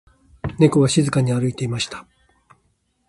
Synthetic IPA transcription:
ne̞koβaɕizɨkaɲ̟iaɾɯ̟it̪e̞imaɕi̥t̪ḁ

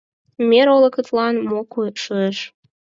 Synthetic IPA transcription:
meɾolə̆kət̪lɑnmokujʃueʃ

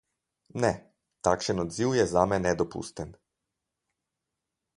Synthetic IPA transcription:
nɛ | t̪akʃənɔd̪ziwjɛzamɛnːɛd̪opṵst̪ɛn

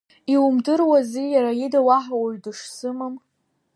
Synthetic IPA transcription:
iwumdɨrwazijaɾajidawaħawaɥdɨʂsɨmɨm

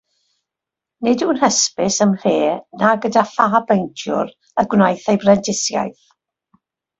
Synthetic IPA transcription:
nɪduːnhəspɪsəmreːnaɡədafaːbejntʰjʊ̰ɾ | əɡwnajθejbrɛndɪsja̰jθ

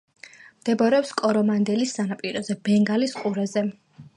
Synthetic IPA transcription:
md̪̥ɛbɔɾɛɔpskʼɔɾɔmand̪ɛlisːanapʼiɾɔzɛbɛŋɡalisqʼuɾɛzɛ

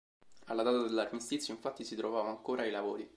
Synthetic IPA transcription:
alːad̪aːt̪ad̪elːarmist̪it̪sːjoiɱfat̪ːisit̪ɾovaːvaŋkoːɾʔailavoːɾi

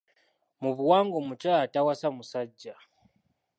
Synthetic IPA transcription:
muβuwaːŋɡomut͡ʃaːtawasamusaɟːa

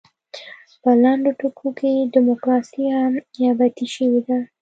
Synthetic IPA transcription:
pəlaɳɖoʈakʰokeɖɪmokɾɑsiamjɑbat̪iʃəwed̪a

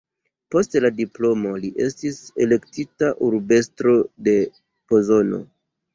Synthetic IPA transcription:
po̞stladiplo̞mo̞liʔe̞stise̞le̞ktitaʔuɾbe̞stɾo̞de̞ | po̞zo̞no̞̰

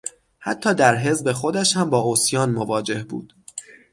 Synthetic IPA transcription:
hæ̰t̪ʰːɒːd̪æɾɦe̞zbe̞xo̞d̪æʃhæmbɒːosjɒːnmovɒːd͡ʒe̞hbṵːd̪̥

